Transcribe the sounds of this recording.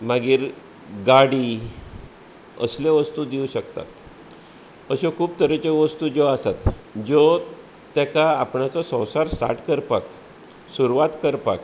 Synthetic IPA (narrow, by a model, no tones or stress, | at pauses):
maɡiːɾ | ɡaɽiː | ə̰sleʋəst̪uːd̪iũɕəkt̪a̰t̪ | əɕekʰuːp̚t̪əɾət͡ɕeʋəst̪uːd͡zɔasat̪d͡zɔ | t̪akaːpɳat͡sɔsə̃wsaɾsʈa̰ɾʈkəɾpak | suɾuʋat̪kəɾpak